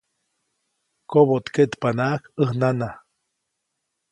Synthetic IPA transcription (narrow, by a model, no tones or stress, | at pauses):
koβot̪ket̪panaʔkəhnana